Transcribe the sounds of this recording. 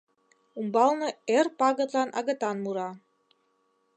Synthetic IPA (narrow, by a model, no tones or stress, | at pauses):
umbɑlnɤ̆erpɑɣɤ̆t̪lɑnɑ̰ɣɤ̆t̪ɑnmuɾɑ